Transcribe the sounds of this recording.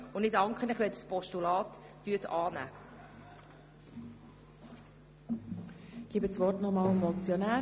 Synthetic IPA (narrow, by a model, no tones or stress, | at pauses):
ʊnɪdɑŋkχənɪχvʋɛdəspɔʃtulɑːtː | yətɑːnæ̰ː | ɡ̥iːbət͡sʋɔrtnɔmɑːlmɔt͡sjɔnæː